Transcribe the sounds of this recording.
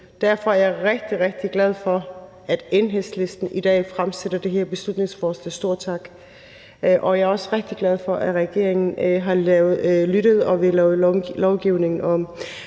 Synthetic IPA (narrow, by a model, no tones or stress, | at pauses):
d̥æɐfɒ̽æɐjɑʁeɡ̥̚d̥iʁeɡ̥̚d̥iɡ̥læð̞ˠfɒ̽ | æd̥enɦesle̝sd̥n̩id̥ɛ̰ːfʁamseɾ̥ɐd̥e̝ɦeɐ̰b̥e̝slud̥ne̝ŋsfɒːslɛ̰ːsd̥o̝ɐ̰t͡sʰɑ̈ɡ̥ | ʔɒ̽ɑɐɒ̽sʁɛɡ̥̚d̥iɡ̥læð̞ˠfɒ̽ʔæʁɛɡ̥e̝̰ɐ̰eŋn̩ɦɑ̈ʊð̩ˠlyɾ̥əð̩ˠɒ̽ʋe̝lʊlɒʊɡ̥iʊne̝ŋn̩ɒ̽m